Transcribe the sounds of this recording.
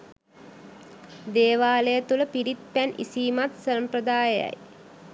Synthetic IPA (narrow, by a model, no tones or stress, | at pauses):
d̪eːʋaːləjət̪uləpiɾit̪̚pænʔḭsiːmat̪səmpɾəd̪aːjəja̰j